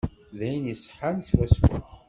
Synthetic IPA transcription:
ðæjənjəsˤħanswæswʊ̰

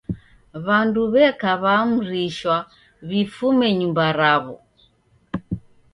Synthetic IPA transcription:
βanduβɛkaβam̩ɾiʃwa | βifumɛɲumbaɾaβɔ̰

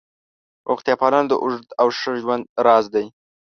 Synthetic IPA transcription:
ʔʊxt̪ijɑpɑlɑnd̪əʔʊʐəd̪awʃəʒwand̪̚ɾɑzd̪aj

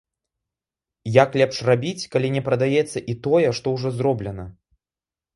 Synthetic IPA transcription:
jaklʲɛpʂrabʲit͡sʲkalʲinʲɛpɾɐd̪ajɛt̪sːɐʔit̪ɔjɛʂt̪ɔwʐɔzrɔblʲɛnɐ

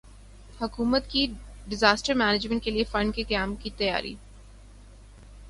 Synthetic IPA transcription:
hɐkuːmət̪ki | ɖɪzaːsʈəɾmɛːnɪd͡ʒmə̃ɳʈ̚keliefɐ̃ɳɖkikɐjaːmkit̪ɐja̰ːɾḭː

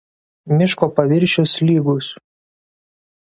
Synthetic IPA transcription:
mʲɪʃkoːpɐʋʲɪɾʲˑʃʲʊslʲiːɡʊs

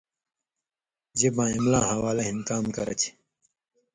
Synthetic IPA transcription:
d͡ʑebãːimlãːɦawaːlɐɦĩnkaːmkɐɾɐ̰t͡ɕʰi̥

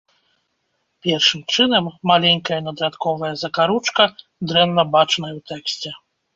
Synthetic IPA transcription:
pʲɛrʂɨmt͡ʂɨnɐmːalʲɛnʲkɐjɐnɐd̪ɾat̪kɔvɐjɐzɐkaɾut͡ʂkɐ | d̪ɾɛnːɐbat͡ʂnɐjɐwt̪ɛksʲt͡sʲɛ

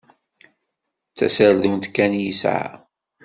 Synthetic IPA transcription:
t͡sːæ̰səɾðimnt̪kːænjisʕ̰

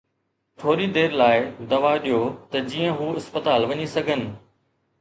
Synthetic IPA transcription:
ʈʰoːɾid̪eːɾlaːɪd̪ɐʋaɗijot̪ɐd͡ʑiːə̃ɦuːɪspət̪aːlʋɐɲisɐɡʱənɪ̆

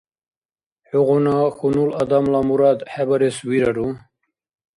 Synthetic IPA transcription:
ħuɣunaxunulad̪amlamuɾad̪ħabaɾeswiɾaɾu

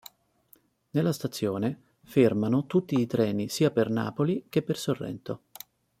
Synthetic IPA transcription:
nelːast̪at̪sːjoːne | fermanot̪ut̪ːiːt̪ɾɛːnisiːaperna̰ːpolik̟epːersorːɛ̰nt̪o

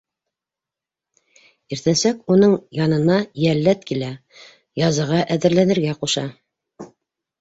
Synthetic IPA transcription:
iɾt̪ænsækunɤɴjɑnɤ̆nɑjælːæt̪kilæ | jɑzɤ̆ʁɑʔæðɘ̆ɾlænɘ̆ɾɡæquʃɑ

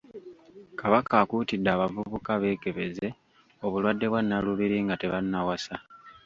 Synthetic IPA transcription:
kaβakaːkuːtidːaːβavuβukaβe̞ːke̞βe̞ze̞ | o̞βulwadːe̞βwanːaluβiɾiŋɡate̞βanːawasa

